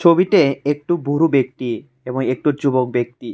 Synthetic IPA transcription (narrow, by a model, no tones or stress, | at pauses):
t͡ɕʰobiʈeek̚ʈubuɾubek̚t̪i | eboŋek̚ʈud͡ʑubok̚bek̚t̪i